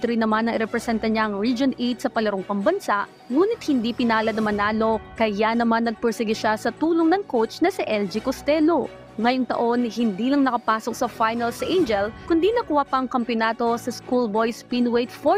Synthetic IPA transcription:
t̪ʊɾinːɐmanːɐŋɪɾɛpɾɛsɛnt̪ɐɲaʔɐŋɹid͡ʒonʔet̪sɐpɐlɐɾoŋpɐŋbɐnsaʔ | ŋuːnɪt̪̚hɪnd̪ipɪnaːlɐd̪nɐmɐnaːlo̞kɐjanɐmanːɐɡ̚pɛɹsɛɡɪʃasɐt̪uːloŋnɐŋkowt͡ʃnɐsiʔɛld͡ʒikost̪ɛlo̞ | ŋɐjoŋt̪ɐ̰ʔo̞nhɪnd̪ilɐŋnɐkɐpaːsok̚sɐfajnɐlsʔend͡ʒɛlkʊnd̪inɐkuwapɐɐŋkɐmpjonaːt̪o̞sɐskulbo̞jspinwejt̪fo

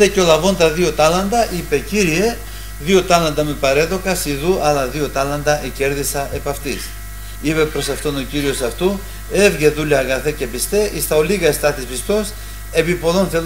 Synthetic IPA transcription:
eco̞lɐvo̞nt̪ɐðio̞t̪ɐlɐnd̪ɐʔipe̞ciɾie̞ | ðio̞t̪ɐlɐnd̪ɐmepɐɾe̞ðo̞kɐsiðuʔɐlɐðio̞t̪ɐlɐnd̪ɐʔece̞ɾðisɐʔe̞pɐft̪is | ipe̞pɾo̞sɐft̪o̞no̞ciɾio̞sɐft̪u | e̞vʝeðulɐːɣɐθece̞pist̪e̞ʔist̪ɐoliɣɐest̪ɐt̪ispist̪o̞s | e̞pipo̞ðo̞nθel

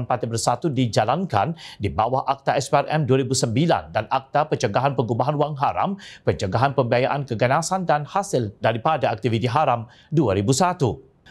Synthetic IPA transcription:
npat̪ibərsat̪udid͡ʒalanka̰ndibawahʔak̚t̪aʔɛspearʔɛ̰mduaɾibusəmbila̰ndanak̚t̪apət͡ʃəɡaɦanpəɡubaɦanwaŋɦaɾa̰mpət͡ʃəɡaɦanpəmbiajaʔankəɡənasandanhasɪldaɾipadaak̚t̪ivit̪iɦaɾam | duaɾibusat̪u

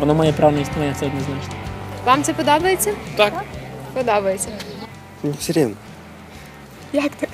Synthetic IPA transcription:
ʋɔnɔmajɛpɾaʋlnɐisanʲɛt̪sɛɔd̪niznat͡ʃnɐʋɑmt̪sɛpɔd̪ɔbɐjet͡sʲːɐt̪akpɔd̪ɔbɐjet͡sʲːɐ | nʲɪfsʲɪɾʲinɐ | jakt̪ɐ

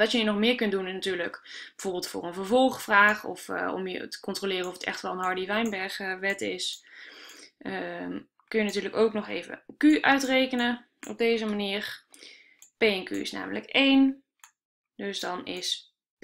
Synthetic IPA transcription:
ʋɑtjəinɔχmɪːɹkɵntdunɪsnatyːɹləkbəv̥ʊːɹbɪːlˠtfʊ̰ːrənvəɹvɔlˠχfraːχɔ̰fɔ̰mjə̰tə̥kɔntrolɪːrənɔfətɛ̰χtʋɛlˠənɦɑɹdiʋɛjnbɛɹχʋɛtɪs | ə | kɵnjənatyːɹləkowknɔχḛjvə̰kyʔœɥtrejkənə | ɔ̰b̚dejzəmaniːɹ | pejɛnky̰ɪ̰sna̰ːmələkejn | dɵsdɑnɪs

